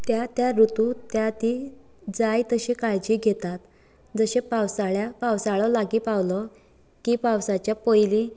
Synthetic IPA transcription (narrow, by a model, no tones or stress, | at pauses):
t̪jat̪jaɾut̪ut̪jat̪iː | d͡zajt̪əɕekaɭd͡ʑiːɡʱet̪at̪ | d͡zəɕepawsaɭjapawsaɭɔlaɡiːpawlɔ | kiːpawsat͡ɕjapojli